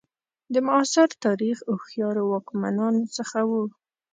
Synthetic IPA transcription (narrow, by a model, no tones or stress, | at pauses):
d̪əmʊɑsɪɾt̪ɑɾixoxjɑɾowɑkmanɑnosəxawu